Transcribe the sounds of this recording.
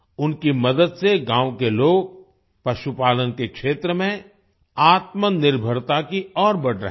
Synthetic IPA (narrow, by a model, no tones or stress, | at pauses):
ʊnkimɐd̪əd̪seɡãːwkeloːɡ̚ | pɐʃupaːlənkekʃeːt̪ɾəmẽ | aːt̪mənɪɾbʱəɾt̪akiɔːɾbɐɽɾə̰ɦ